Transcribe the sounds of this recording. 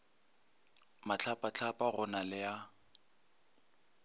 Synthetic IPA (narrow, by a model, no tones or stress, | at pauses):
mat͡ɬʰapat͡ɬʰapʼaɣʊnalɪja